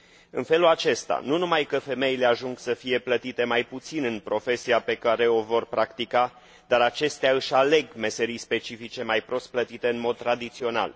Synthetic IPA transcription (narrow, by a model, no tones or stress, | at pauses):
ɨnfe̞lulat͡ʃe̞st̪a̰nunumajkəfe̞me̞ile̞aʒuŋɡsəfije̞plət̪it̪e̞majput̪sinɨnpɾo̞fe̞sijape̞kaɾe̞o̞vo̞rpɾakt̪ika | d̪̥aɾat͡ʃe̞st̪eaɨʃʲale̞ɡme̞se̞ɾijspe̞t͡ʃifit͡ʃe̞majpɾo̞st̪̚plət̪it̪e̞ɨnmo̞d̪̚t̪ɾad̪it̪sio̞na̰l